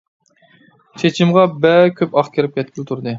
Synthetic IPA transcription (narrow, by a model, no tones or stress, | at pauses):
t͡ʃʰet͡ʃʰimʁɑbɛkʲʰøpɑχkʲʰeɾɪp̚kʲʰɛt̪̚kʲilɪt̪ʰuɾd̪ɨ